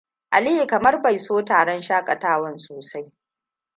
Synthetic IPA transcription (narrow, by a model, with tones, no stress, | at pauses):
ʔa˨li˦i˨kɐ˨mɐ˦rba˨jsoː˦taː˨ɽɐ˦nʃaː˦kʼɐ˨taː˦wɐ˦nsoː˨sa˦j